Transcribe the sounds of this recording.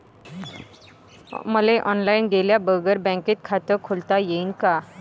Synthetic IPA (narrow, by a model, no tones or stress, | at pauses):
məleʔɔːnlaːɪnɡeːljabəːɡəɾbɛ̃ŋkɪt̪̚kʰaːt̪əkʰʊlt̪ajeinka